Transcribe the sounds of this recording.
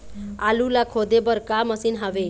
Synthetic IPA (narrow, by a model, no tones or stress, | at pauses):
alulakʰod̪ebəɾkaməsiːnɦaʋe